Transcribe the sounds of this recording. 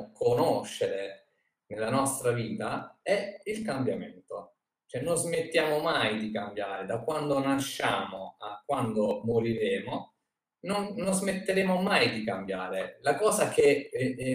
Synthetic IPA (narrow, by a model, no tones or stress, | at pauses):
kʰonoʃːeɾe | nelːanɔst̪ɾaviːt̪aɛilkambjament̪o | t͡ʃoɛnːozmet̪ːjaːmomajd̪ikambjaːɾed̪akːwand̪onaʃːaːmoakːwand̪omoɾiɾeːmo | nonːozmet̪ːeɾeːmomajd̪ikambjaːɾelakɔːzake